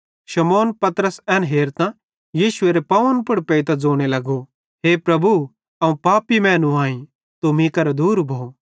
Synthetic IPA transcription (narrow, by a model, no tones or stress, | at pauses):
ʃɐmoːnpɐt̪əɾəsɛːnɦeːɾt̪ã | jiːʃʊeːɾepɐʋənpʊɽpeit̪ãd͡zoːɽ̃elɐɡo | ɦeːpɾɐbu | ɐũpaːpimɛ̃ːnũaːĩ | t̪omĩkɐɾd̪uːɾbʱoː